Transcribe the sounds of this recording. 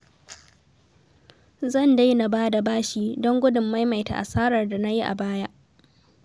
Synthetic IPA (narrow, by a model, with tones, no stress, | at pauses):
zɐ˦˨nda˦jna˨baː˦da˨baː˦ʃiː˨dɔ˦ŋɡʷʊ˦dʊ˨mːa˦jma˨jta̰˨ʔa̰˨saː˦ɾɐ˨rda˨na˦ji˦ʔa̰˨baː˦ja˦ʔ